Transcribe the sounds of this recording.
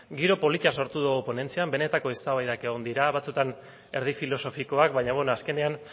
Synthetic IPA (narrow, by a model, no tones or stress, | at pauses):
ɡiɾo̞po̞lit͡ʃaso̞ɾt̪uðuɣupo̞ne̞nt͡siambe̞ne̞t̪ako̞est̪aβajðake̞ɣ̞o̞nd̪iɾaβat͡sut̪an | e̞ɾð̞ifilo̞so̞fiko̞akbaɲaβenoaske̞ne̞an